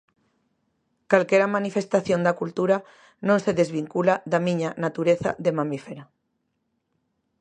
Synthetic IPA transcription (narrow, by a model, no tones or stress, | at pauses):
kalkeɾamanifest̪aθjond̪akult̪uɾa | nõnseðezβiŋkulaðamĩɲanat̪uɾeθa̰ðemamifeɾa